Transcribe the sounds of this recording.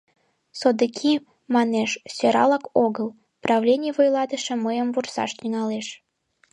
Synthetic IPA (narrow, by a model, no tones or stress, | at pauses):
sod̪əkʲʰi | mɑneʃsʲøɾɑ̰lɑkoɣəl | prɑvlʲenʲivojlɑt̪əʃeməjəmvursɑ̰ʃt̪yŋɑleʃ